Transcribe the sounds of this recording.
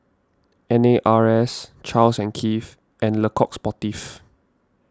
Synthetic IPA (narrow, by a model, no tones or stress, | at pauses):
ɛ̃neʔaɹɛst͡ʃalsɛ̃nkʰif | ʔɛ̃nləkʰɔk̚spɔtif